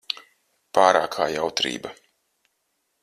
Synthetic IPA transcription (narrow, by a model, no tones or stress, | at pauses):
paːɾa̰ːkʰaːjawt̪ɾḭːba